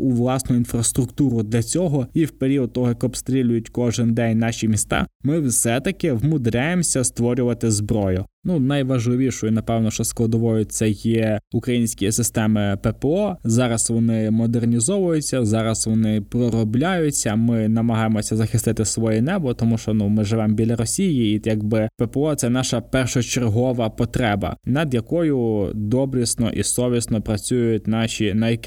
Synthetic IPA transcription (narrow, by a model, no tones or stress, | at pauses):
ʊʋlˠɑsnʊinfrɐst̪ɾʊkt̪uɾʊd̪lʲɐt͡sʲɔɦɔiwpeɾʲiɔd̪̚t̪ɔɦɔjɐkɔpst̪ɾʲilʲʊjʊtʲkɔʒɪnd̪ɛnʲnɑʃʲimʲist̪ɑ̰mɪwsɛt̪ɐkɪʋmʊd̪ɾʲajemsʲɐst̪ʋɔɾʲʊʋɐt̪ɪzbɾɔjʊnunɐjʋɐʒlˠɪʋʲiʃɔjʊnɐpɛwnɔʃt͡ʃɔsklˠɐd̪ɔʋɔjʊt̪sɛjɛʊkɾɐjinʲsʲkʲijɛsɪst̪ɛmɪpɛpɛɔzɑɾɐsʋɔnɪmɔd̪ernʲizɔʋʊjʊt͡sʲːɐzɑɾɐsʋɔnɪpɾɔɾɔblʲajʊt͡sʲːɐmɪnɐmɐɦɑjemɔsʲɐzɐxɪst̪ɪt̪ɪsʋɔjɛnɛbɔt̪ɔmuʃt͡ʃɔnumɪʒɪʋɛmbʲilʲɐɾɔsʲijiːjɐɡbɪpɛpɛɔt̪sɛnɑʃɐpɛrʃɔt͡ʃerɦɔʋɐpɔt̪ɾɛbɐ̰nɐd̪jɐkɔjʊd̪ɔbɾʲisnɔ̰ʔḭsɔʋʲisnɔpɾɐt͡sʲujʊt̚ʲnɑʃʲinɐjɐk